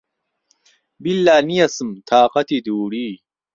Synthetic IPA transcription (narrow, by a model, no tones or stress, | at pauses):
bilːaːnijɐsɨmt̪ʰaːqɐt̪ʰid̪uːɽiː